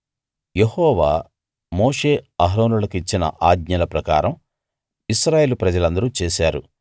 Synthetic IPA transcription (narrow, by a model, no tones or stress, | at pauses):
jehɔːʋaː | moːʂe̞ːɐɦɾoːnulɐkit͡ʃːinɐ̰ʔaːɡɲɐlɐpɾɐka̰ːɾɐm | iʃɾaːje̞ːlupɾɐd͡ʒɐlɐnd̪ɐɾut͡ʃɛːʃaːɾṵ